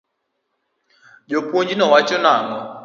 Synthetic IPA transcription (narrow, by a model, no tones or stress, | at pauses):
d͡ʒopwoɲd͡ʒinɔwat͡ʃɔnaŋɔ